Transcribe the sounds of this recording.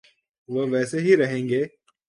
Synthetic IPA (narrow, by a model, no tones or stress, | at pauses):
ʋɐʋɛːseɦiɾɐɦẽːŋɡeː